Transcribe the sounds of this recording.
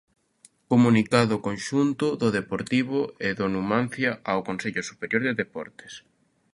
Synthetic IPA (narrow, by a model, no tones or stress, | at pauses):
komunikaðʊkonʃunt̪ʊðʊðepoɾt̪iβʊeðonumãnθjɐaokonseʎʊsupeɾjoɾðeðepɔ̰ɾt̪e̥s